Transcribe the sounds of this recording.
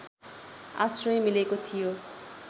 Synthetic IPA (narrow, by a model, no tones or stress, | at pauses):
a̰srʌjmilekot̪ʰijo